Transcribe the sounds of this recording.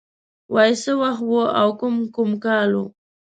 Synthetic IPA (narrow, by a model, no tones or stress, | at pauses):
wajsəwaxt̪woawkʊmkʊmkɑlṵ